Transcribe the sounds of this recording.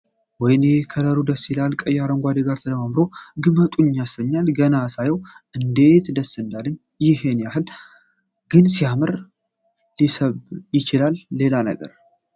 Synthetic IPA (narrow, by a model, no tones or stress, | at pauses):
wɔjnkʰələɾud̪əsːilalkʼəjaɾəŋɡʷad̪eɡaɾt̪ʰələmamɾoɡɨmət̪ʼuɲːasəɲːalɡənasajɛwʔɨnd̪e̞t̪d̪əsːɨnd̪alɨɲː | jɪɦe̞njaɦɨl | ɡ̥ɨnsijamɨɾ | lisəβjɪt͡ʃɪlalːe̞lanə̰ɡə̰ɾ